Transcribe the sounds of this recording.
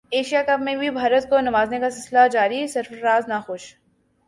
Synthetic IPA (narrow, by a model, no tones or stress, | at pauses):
eːʃijakɐpmẽbʱibʱaːɾət̪̚konɐmaːznekasɪlsɪlad͡ʒaːɾisɪɾfɾaːznaxʊʃ